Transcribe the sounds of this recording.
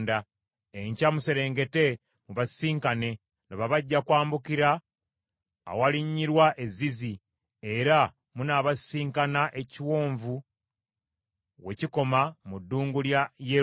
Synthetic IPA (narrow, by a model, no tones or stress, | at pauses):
nda | eɲcamuse̞ɾe̞ːŋɡe̞te̞ | muβasiːŋkane̞ | neβaβaɟːakwaːmbukiɾa | waliɲːiɾwaʔe̞zizi | e̞ɾa | munaβasiːŋkanaʔe̞ciwo̞ːɱvu | we̞ciko̞mamudːuːŋɡuljaje